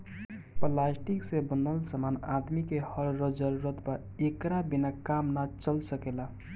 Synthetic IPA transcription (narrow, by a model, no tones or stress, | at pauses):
plasʈiksẽbənəlsəmana̰d̪mikehəɾɾəd͡ʒəɾuɾət̪ba | ekɾabinakamnat͡ʃəlsəkela